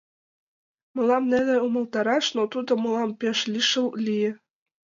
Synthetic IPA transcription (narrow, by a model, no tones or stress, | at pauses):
mɤ̆lɑmnenĕumɤ̆lˠt̪ɑɾɑʃnot̪ud̪ɤ̆mɤ̆lˠɑmpeʃlʲiʃɤ̆lˠlʲijɘ̆